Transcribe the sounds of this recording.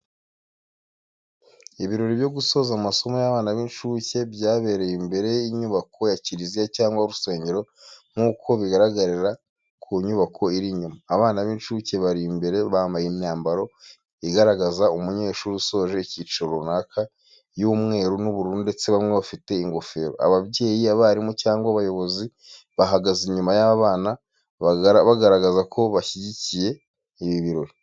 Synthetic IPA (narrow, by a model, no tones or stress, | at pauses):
iβiɾo̞ɾibjo̞ɡuso̞ːzamaso̞mojaβaːnaβiːnʃuce̞bɟaːβeːɾe̞jimbe̞ɾe̞iɲuβakʰo̞jaciɾizijacaːŋɡwauɾuse̞ːɲɟe̞ɾo̞ŋ̥uːkʰo̞βiɡaɾaɡaɾiɾa | kʰuɲuβakʰo̞iɾiɲumaːβaːnaβinʃuce̞βaɾimbe̞ɾe̞βaːmbajennaːmbaɾo̞ | iɡaɾaɡazaumuɲe̞ːʃuːɾuso̞ːʒe̞icit͡ʃoɾonaːkʰa | juːmŋe̞ːɾunuβuɾuːnude̞t͡se̞βamŋeβafite̞iŋɡo̞fe̞ːɾo̰a̰βaβɟe̞ːjiaβaɾimocaːŋɡwaβajo̞βo̞zi | βaɦaɡaziɲumajaβaːna | βɾβaɡaɾaɡazakʰo̞βaçiɟicije̞ | iβiβiɾo̞ɾi